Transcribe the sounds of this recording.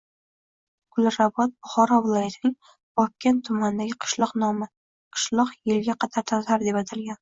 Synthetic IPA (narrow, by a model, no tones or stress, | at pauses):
ɡ̥ʊlˠɾabɒt̪̚bʊχɒɾavɪlˠɒjat̪ʰɪnɪŋ | b̥ɒp̚kʲːent̪ʰʊmand̪aɡʲɪqʰɨ̥ʃlˠɒqnɒmɪ | qʰɨ̥ʃlˠɒqjɪlɡʲaqʰɑt̪ʰaɾt̪ʰat̪aɾd̪e̞pat̪ʰalɡʲan